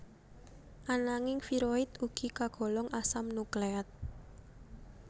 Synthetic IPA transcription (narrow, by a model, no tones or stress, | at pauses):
ʔanaŋɪŋfiɾoɪt̪uɡ̥i̤kaɡ̥ɔ̤lɔŋʔasamnukleat̪̚